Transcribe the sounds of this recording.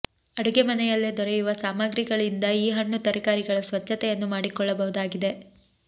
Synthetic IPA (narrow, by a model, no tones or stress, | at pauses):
ɐɽuɡemɐnɛjɐlːed̪ɔɾɛjuʋɐsaːmaːɡɾiɡɐɭind̪ɐiːɦɐɳːut̪ɐɾikaːɾiɡɐɭɐsʋɐt͡ʃːɐt̪ɛjɐnːumaːɽikɔɭːɐbɐɦud̪aːɡid̪e̞